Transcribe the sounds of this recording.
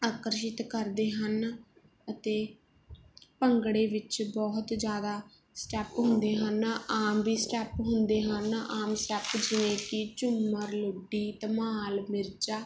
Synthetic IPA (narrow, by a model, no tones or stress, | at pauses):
aːkəɾʃ̬ɪt̪kəɾd̪eːɦən | ət̪eː | pəŋɡɽeːʋɪt͡ʃbɔːɦt̪d͡ʒjaːd̪aː | sʈɛːpɦʊnd̪eːɦənaːmʋiːsʈɛːpɦʊnd̪eːɦənaːmsʈɛːpd͡ʒɪnẽːkɪt͡ʃʊmːəɾlʊɖiːt̪əmaːlmɪɾd͡ʒaː